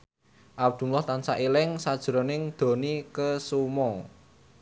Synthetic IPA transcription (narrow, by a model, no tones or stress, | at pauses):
ʔab̚d̪̥ṳmlɔht̪ansaʔilɪŋsad̥ʒ̥ɾo̤nɪŋd̪̥o̤nikəsumɔ